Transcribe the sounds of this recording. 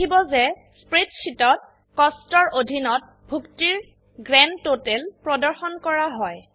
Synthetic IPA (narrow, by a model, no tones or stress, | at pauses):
ibɔzɛ | spɹetsitɔt̚ | kɔstɔɹʔodʱinɔt̚ | bʱuktiɹ | ɡɹɛntotɛlpɹɔdɔɹxɔnkɔɹaɦɔj